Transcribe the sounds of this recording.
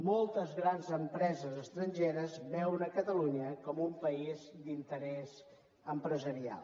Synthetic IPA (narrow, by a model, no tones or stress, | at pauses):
mɔlˠt̪əzɣɾanzəmpɾɛzəzəst̪ɾəɲʲʒeɾəzbɛwnəkət̪əluɲəkɔmumpəizd̪int̪əɾɛz | əmpɾəzəɾia̰lˠ